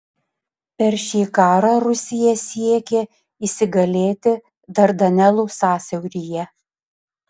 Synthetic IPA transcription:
pʲɛɾʃʲiːkɑːɾɑːɾʊsʲɪjɛsʲiɛkʲe | iːsʲɪɡɐlʲeːt̪ʲɪ | d̪ɐɾd̪ɐnʲɛlˠuːsɑːsʲɛʊɾʲijɛ

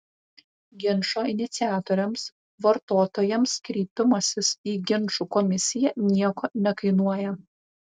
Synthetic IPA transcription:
ɡʲɪnˑʃoːɪnʲɪt̪sʲɪæːt̪oːɾʲɛms | ʋɐɾt̪oːt̪oːjɛmskɾʲiːpʲɪmɐsʲɪsiːɡʲɪnˑʃuːkɔmʲɪsʲɪjɛnʲiɛkoːnʲɛkɐɪnuɔjɛ

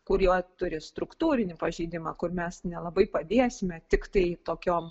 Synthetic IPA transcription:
kʊɾjoːt̪ʊɾʲɪst̪ɾʊkt̪uːɾʲɪnʲɪpɐʒʲɛɪd̪ʲɪmɑkʊrmʲɛsnʲɛlˠɐbɐɪpɐd̪ʲeːsʲɪmʲɛt̪ʲɪkt̪ɐɪt̪oːkʲoːm

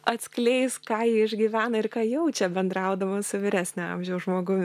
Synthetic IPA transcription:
ɐt̪ʲsʲklʲɛɪskɑːjɪɪʒʲɡʲɪʋʲæːnɐɪrkɑːjɛʊt͡ʃʲɛbʲɛnd̪ɾɐʊd̪ɐʋɐsʊʋʲɪɾʲæːsʲnʲɛɑ̰ːmʲʒʲɛʊsʒmoːɡʊmʲɪ

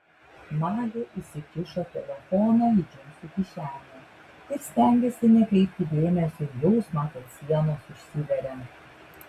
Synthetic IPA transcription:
mɑːlʲeʔisʲɪkʲɪʃoːt̪ʲɛlʲɛfɔnɐɪd͡ʒʲʊŋsʲʊkʲɪʃʲæːllʲɛ | ɪɾsʲt̪ʲæˑŋʲɡʲɛsʲɪnʲɛkʲɛɪpʲt̪ʲɪd̪ʲeːmʲɛsʲojɛʊsmɑːt̪ot̪sʲiɛnoːsʊʃʲsʲɪʋʲɛɾʲɛ

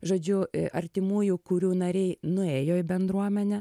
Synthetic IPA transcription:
ʒoːd͡ʒʲʊʔɐ̰ɾʲt̪ʲɪmuːjʊkʊɾʲuːnɐɾʲɛɪnʊeːjoːɪbʲɛnd̪ɾuɔmʲɛnʲɛ

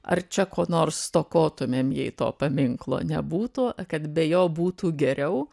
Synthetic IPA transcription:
ɐ̰rt͡ʃʲɛkoːnoːrst̪oːkoːt̪ʊmʲeːmjɛɪt̪o̰ːpɐmʲɪŋklˠo̰ːnʲɛbuːt̪ukɐt̪bʲɛjoːbuːt̪uːɡʲɛɾʲɛʊ

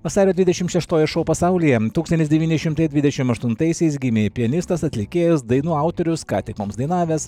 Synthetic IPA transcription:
ʋɐsɑːɾʲoːd̪ʲʋʲɪd̪ʲɛʃʲɪmʃʲɛʃt̪oːjɛʃoːpɐsɑʊlʲiːjɛt̪uːksɐnt̪ʲɪsd̪ʲɛʋʲiːnʲɪʃʲɪmt̪ɐɪd̪ʲʋʲɪd̪ʲɛʃʲɪmɐʃt̪ʊnt̪ɐɪsʲɛɪs̬ɡʲɪmʲeːpʲɪɛnʲɪst̪ɐsɐt̪ʲlʲɪkʲeːjɛsd̪ɐɪnuːɐˑʊt̪ɔɾʲʊskɑ̰ːt̪ʲɪkmoːmsd̪ɐɪnɑːʋʲeːs

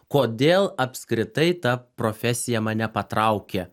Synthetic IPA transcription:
koːd̪ʲeːlˠɐpʲskɾʲɪt̪ɐɪt̪ɐpɾoːfʲɛsʲɪjɛmɐnʲɛpɐt̪ɾɐʊkʲe

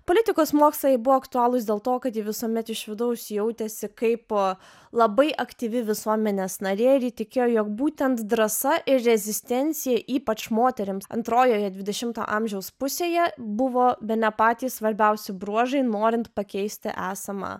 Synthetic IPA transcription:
poːlʲɪt̪ʲɪkoːsmoːkslˠɐjɛɪbʊʋoːɐkt̪ʊɑːlˠʊsd̪ʲeːlˠt̪oːkɐt̪jɪʋʲɪsuɔmʲɛt̪ɪʃʋʲɪd̪ɐʊsjɛʊt̪ʲɛsʲɪkɐɪp | lˠɐbɐɪʔɐkt̪ʲiːʋʲɪʋʲɪsuɔmʲɛnʲeːsnɐɾʲeːɪɾjɪt̪ʲɪkʲeːjoːjoːkbuːt̪ʲɛnt̪d̪ɾɐsɐʔɪɾrʲɛzʲɪsʲt̪ʲɛnʲsʲɪjɛʔiːpɐt͡ʃmoːt̪ʲɛɾʲɪmsɐ̰nt̪ɾoːjoːjɛd̪ʲʋʲɪdʲɛʃʲɪmt̪o̰ʔɑmʲʒʲɛʊspʊsʲeːjɛbʊʋoːbʲɛt̪nʲɛpɑːt̪ʲiːsʋɐɾʲbʲɛʊsʲɪbɾuɔʒɐɪnoːɾʲɪnt̪pɐkʲɛɪsʲt̪ʲɪ̰ʔɑːsɐmɑ̰

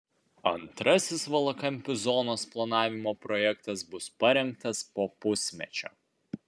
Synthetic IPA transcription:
ɐnt̪ɾɐsʲɪsʋɐlˠɐkɐmʲpʲɪzɔnoːsplˠɐnɑːʋʲɪmoːpɾɔjɛkt̪ɐsbʊspɐɾʲɛŋk̚t̪ɐspoːpʊsʲmʲɛ̰t͡ʃʲo̰ː

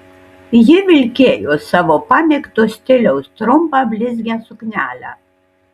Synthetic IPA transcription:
jɪʋʲɪlʲkʲeːjoːsɑːʋoːpɑːmʲekt̪osʲt̪ʲɪlʲɛʊst̪ɾʊmpɑbʲlʲɪzʲɡʲɛsʊknʲæːlʲæ

